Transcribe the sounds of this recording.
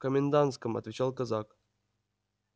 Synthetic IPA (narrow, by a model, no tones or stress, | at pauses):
kəmʲɪnd̪ant̪skəmɐ̰t̪vʲɪt͡ɕalˠkazak